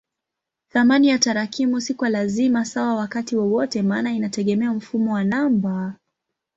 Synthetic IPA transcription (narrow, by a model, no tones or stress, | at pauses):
θamanijataɾakʰimusikwalazimasawawakatiwɔwɔtɛmaːnainatɛɠɛmɛam̩fumɔwanamba